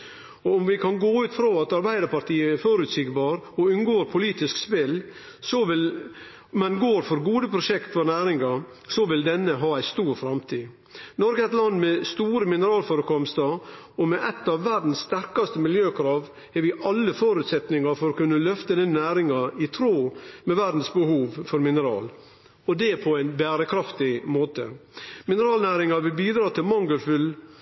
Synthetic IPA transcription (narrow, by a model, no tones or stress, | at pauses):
ɔʊmʋɪkʰɑnɡoːʉːt̪fɾoːɑt̪ɑɾbæɪd̪əɾpɑʈ̪ʰiːəæɾfɔɾʉːt̪sɪɡbɑːɾɔʉnɡoːɾpʰʊliːt̪ɪskspɪl | sɔʋɪl | mɛnɡoːɾfɔɾɡuːd̪əpʰɾʊʂɛkt̪fɔɾnæːɾɪŋɑ | sɔʋɪld̪ɛnːəɦɑːæɪst̪uːɾfɾɑmt̪ʰiː | nɔɾɡəɛt̪lɑnːmɛst̪uːɾəmɪnəɾɑːlfɔːɾəkʰɔmst̪əɔmɛʔɛt̪ːɑʋːæɖn̩sːt̪æɾkɑst̪əmɪljøːkʰɾɑːʋ | hɛɾʋɪʔɑlːəfoːɾʉːt̪sɛt̪nɪŋɑɾfɔɾɔkʉnːəlœft̪ənɪnːæːɾɪŋɑɪt̪ʰɾoːmɛʋæɖn̩sbəhuːʋfɔɾmɪnəɾɑ̰ːl | ɔd̪ɛpʰɔæɪnbæːɾəkʰɾɑft̪ɪmoːt̪ə̰mɪnəɾɑːlnæːɾɪŋɑʋɪlbiːd̪ɾɑːt̪ʰɪlmɑŋɡəlfʏl